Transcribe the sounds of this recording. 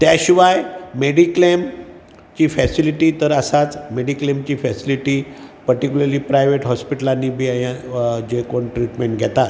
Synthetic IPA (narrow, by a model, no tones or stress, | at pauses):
t̪jaɕiʋajmeɽiklem | t͡ɕiːfɛsiliʈiːt̪əɾəsat͡smeɽiklemt͡ɕiːfɛsiliʈiːpəɾʈikʲjuləɾliːpɾajʋeʈɦɔspiʈəlanːiːbʱiːajãd͡ʑekoɳʈɾiʈmẽɳʈɡʱɛt̪at̪